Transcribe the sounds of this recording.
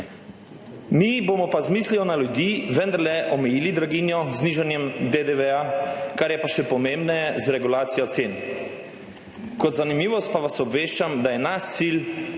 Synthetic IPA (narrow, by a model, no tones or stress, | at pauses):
mibomɔpazmisliɔnalud̪jiːʋənd̪aɾlɛʔɔmɛjiːlid̪ɾaɡinjɔzniʒanjɛmd̪ed̪eʋɛakaɾjɛpaʃɛpɔmẽmbnɛjɛzɾɛɡulaːt̪sijɔt̪seːn | kɔt̪zanimiːʋɔst̪̚paʋasɔbʋeːʃt͡ʃamd̪ajɛnaʃt̪sil